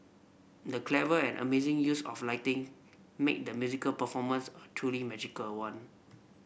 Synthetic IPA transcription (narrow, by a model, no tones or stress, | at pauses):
dəkʰlɛvəɛ̰̃nʔə̰mezɪ̃ŋjusɔ̰flaɪtɪ̃ŋ | mḛk̚d̪əmjuzikəlpəfɔmə̃nsətʰɹulimɛd͡ʒikəlwãn